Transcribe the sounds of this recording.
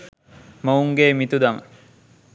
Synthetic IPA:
mouŋɡeːmit̪ud̪amə

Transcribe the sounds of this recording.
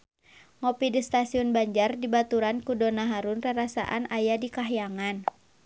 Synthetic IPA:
ŋɔpidist̪asiɔnbaɲd͡ʒardibat̪uɾankudɔnaɦaɾunraɾasa̰ʔa̰najadikaɦjaŋan

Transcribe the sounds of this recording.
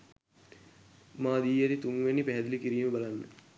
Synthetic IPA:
maːd̪iːjaɾit̪uŋʋenipæɦɛd̪ilikiɾiːməbalanːə̰

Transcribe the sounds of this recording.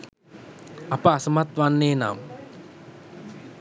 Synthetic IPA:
apəasəmat̪ʋanːeːna̰m

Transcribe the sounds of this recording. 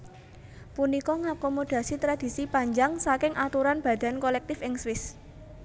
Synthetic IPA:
punikɔŋakomod̪̥a̤sit̪ɾad̪̥i̤sipaɲd͡ʒaŋsakɪŋʔat̪uɾanb̥ä̤d̪̥a̤nkolɛk̚t̪ɪfɪŋswɪs

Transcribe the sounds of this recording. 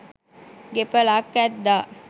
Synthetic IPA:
ɡepəlakːæt̪d̪aː

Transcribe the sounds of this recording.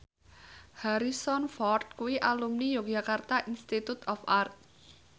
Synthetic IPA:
haɾisɔnfɔrt̪̚kuwiʔalumnijo̥ʒ̥a̤kart̪aʔinst̪it̪ut̪ɔfart̪̚

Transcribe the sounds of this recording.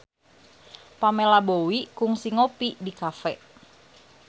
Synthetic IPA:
pamelabowikʊŋsiŋopidikafɛʔ

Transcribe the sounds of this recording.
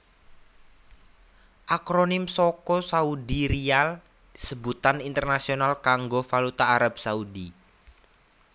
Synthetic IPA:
ʔakɾonɪmsokɔsaudiɾial | d̪̥isəbut̪anint̪ərnasionalkaŋɡofalut̪aːɾab̥saudi

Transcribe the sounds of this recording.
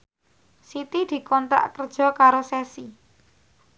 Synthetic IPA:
sit̪id̪̥i̤kɔnt̪ɾa̰ʔkərd̥ʒ̥ɔ̤kaɾosɛsi

